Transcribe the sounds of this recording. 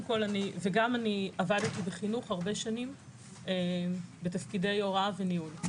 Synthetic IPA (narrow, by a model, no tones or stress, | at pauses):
emko̞laniveɡamaniavaditibeχinuχhaʁbe̞ʃanim | ebetafkide̞jo̞ʁaveniul